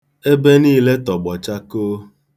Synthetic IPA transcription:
e˦be˦niː˦le˦tɔ˨ɡ͡bɔ˨t͡ʃa˦koː˦

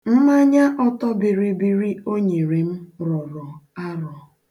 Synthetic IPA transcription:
m̩˦ma˦ɲa˦ʔɔ˦tɔ˦bi˨ɾi˨bi˨ɾi˦o˦ɲe˨ɾe˨m̩˦ɾɔ˨ɾɔ˨a˦ɾɔ˨

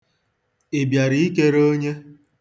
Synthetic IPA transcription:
e˨bja˨ɾi˦i˦ke˦ɾo˦ɲe˦

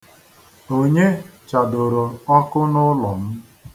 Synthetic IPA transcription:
o˦ɲe˦t͡ʃa˨do˨ɾo˨ɔ˦kʊ˦nʊ˦lɔ˨m̩˦

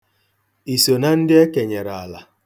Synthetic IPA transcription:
i˨so˨na˦n̩˦dɪ˦e˦ke˨ɲe˨ɾa˨a˨la˨

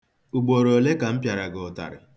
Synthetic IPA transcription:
u˨ɡ͡bo˨ɾo˨le˦ka˨m̩˦pja˨ɾa˨ɡɔ˨ta̰˨ɾɪ̰˨

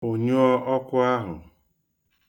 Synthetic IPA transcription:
o˨ɲo˦ɔ˦ʔɔ˦kʷʊ˦a˦ɦʊ̰˨

